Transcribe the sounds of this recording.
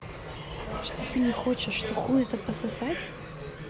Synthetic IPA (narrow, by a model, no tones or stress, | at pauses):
ʂt̪ot̪ɨnʲɪxot͡ɕɪʂːt̪oxujɛt̪əpəsɐsatʲ